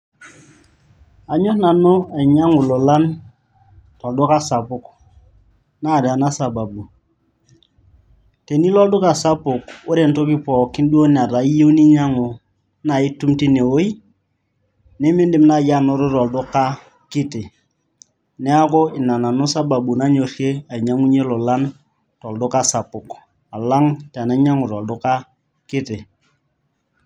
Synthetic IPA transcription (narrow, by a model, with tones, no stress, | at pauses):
a˨ɲɔ˦hna˨nʊ˦e˨ɲa˦ŋʊ˨lɔ˨la˦n | tɔ˨ldʊ˦ka˦sa˨pʊ˦k | na˦˨da˨na˦sa˨ba˨bu˨ | te˨ni˦lɔ˦ldʊ˦ka˨sa˦pʊ˨kʊ˦ɾe˨nto˦kɪ˦pɔ˨kɪ˦ndu˦o˦n˨a˨ɾa˨i˦je˦u˦ni˦ɲa˦ŋʊ˨ | na˨ɪ˦tu˦mti˦ne˨o˦i˦ | nɪ˦mɪ˦ndɪ˨mna˨ja˦˨nʊ˦ɾʊ˦ɾɔ˨ldʊ˦ka˦ | kɪ˦tɪ˨ | nɛ˦a˦kʊ˦ɪ˨na˨na˨nʊ˦sa˦ba˨bu˨na˦ɲo˨re˦a˨i˨ɲa˦ŋu˦ɲe˦lɔ˨la˦n | tɔ˨ldʊ˦ka˦sa˨pʊ˨k | a˨la˦ŋta˨na˦ɲa˦ŋʊ˨ɾɔ˨ldʊ˦ka˦ | kɪ˦tɪ˨